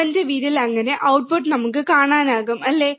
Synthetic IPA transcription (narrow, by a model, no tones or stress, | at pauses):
endeʋiːɾilɐŋːɐne̞ʔɐwʈ̚puʈnɐmukːɨkaːɳaːnaːɣumɐlːeː